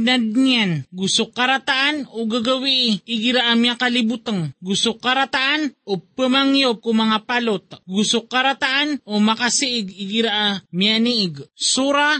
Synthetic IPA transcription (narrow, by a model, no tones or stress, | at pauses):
nad̪̚ŋanɡusokaɾat̪aʔanoɡaɡawiʔɪɪɡiɾaʔamjakalɪbut̪aŋɡusokaɾat̪aʔanopəmaŋjob̚kumaŋapalot̪̚ɡusokaɾat̪aʔanʔomakasiʔɪɡiɡiɾaʔamijaniʔɪɡsuɾa